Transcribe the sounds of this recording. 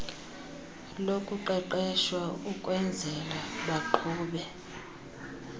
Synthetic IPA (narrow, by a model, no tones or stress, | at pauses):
lokʼuǃɛǃɛʃwaukʼwɛnd͡zʱɛlaɓaǃʰuːɓɛ